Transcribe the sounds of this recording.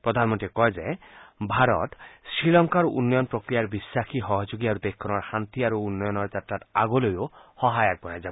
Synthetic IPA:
pɹɔd̪ʱanmɔnt̪iekɔjzebʱaɾɔ̰t̪sɹilɔŋkaɾṵnːɔjɔnpɾɔkɾijaɾbisːaxʰiɦɔɦɔd͡ʒoɡiaɾud̪ekʰːɔnɔɹhant̪iaɾuunːɔjɔnɔɹd͡ʒatːɾat̪aɡolojohɔɦajak̚bɔjazabɔ

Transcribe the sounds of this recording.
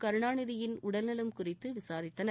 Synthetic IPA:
kɐɾɯɳaːɳɯðɪjɪnʊɽɐlnɐlɐmkʊrɪt̪ːɯʋɪsaːɾɪt̪ːɐnɐ

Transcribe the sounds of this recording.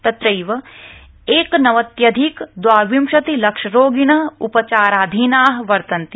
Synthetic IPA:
t̪ɐt̪ɾɐjʋɐ | eːknɐʋɐt̪jɐd̪ʱikd̪ʋaːɾʋimʃɐt̪ilɐkʂɐɾoːɡiɳɐɦupɐt͡ʃaːɾaːd̪ʱinaːɦʋɐɾt̪ɐnt̪i

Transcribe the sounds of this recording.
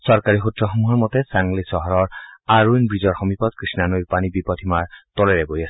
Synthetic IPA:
sɔɹkaɹixutɹɔxɔmuɦɔɹmɔtɛsaŋlisɔɦɔɹɔɹaɹujnbɹizɔɹxɔmipɔtkɹisnanojɹpanibipɔt̪ʰimaɹtolɛɹɛbojasɛ̥

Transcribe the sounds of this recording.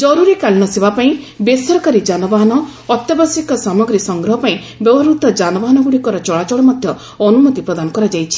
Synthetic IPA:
d͡ʒɔɾuɾikaɭiñɔsebapaĩ | besɔɾɔkaɾid͡ʒanɔbaɦɔnɔːt̪jɔbasikɔsamɔɡɾisɔŋɡɾɔɦɔpaĩ | bɔbɔɾut̪ɔd͡ʒanɔbaɦɔnɔɡuɽikɔɾɔt͡ʃɔɭat͡ʃɔɭɔmɔd̪ʱjɔ | ɔnumɔt̪ipɾɔd̪anɔkɔɾad͡ʒajt͡ʃʰi̥

